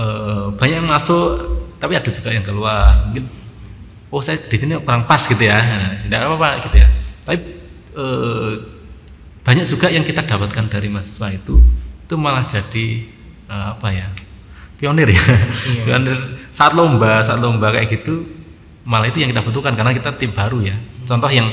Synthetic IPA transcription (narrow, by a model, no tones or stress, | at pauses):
əb̥a̤ɲaʔmasʊʔt̪apiad̥ad͡ʒuɡ̥aʔjaŋkəluanmuŋkɪn | osajad̥isinipəɾaŋpaskit̪ujaəindaʔaapaɡit̪ujat̪api | əː | b̥a̤ɲaʔ̚d͡ʒuɡ̥aʔjaŋkit̪ad̥a̤pat̪̚kandaɾimasḁswait̪uit̪umalahd͡ʒ̥ad̥i | əapajapiɔnɪrjaiɔnɪrsaat̪̚lombasaat̪lombakaʔjʔaɡit̪u | malahit̪ujaŋkit̪ab̥ənt̪ukankarənakit̪at̪ib̥aɾujat͡ʃɔnt̪ɔhjaŋ